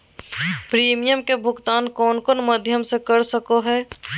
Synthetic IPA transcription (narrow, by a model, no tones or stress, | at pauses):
pɾimijəmkebʱuɡt̪aːnkɔːnkonməd̪ʱjəmsẽkəɾsəkoɦɛ